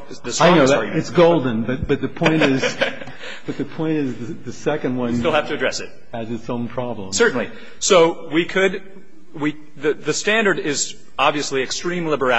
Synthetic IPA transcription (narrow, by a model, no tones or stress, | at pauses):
ðɨsaɪnoʊɨtsɡ̥oʊlˠdⁿn̩bʌt̚b̥ʌt̪̚ðɨpʰɔ̃ɪ̃nɪz | b̥ʌt̪̚ðɨpʰɔ̃ɪ̃ñtɪzðɨðɨsɛkɨ̃nd̚wʌ̃nɪlˠhæftɨɨdɹɛsɨt̚ | ɨzɨtsõʊ̃npʰɹ̥ɑblə̰̃mssɜ˞ʔn̩li | soʊ | wikʰɨd | wi | ðɨðɨstæ̃ndə˞ɾɪz | ɑbviɨsliɨkstɹ̥ĩmlɪbə˞æ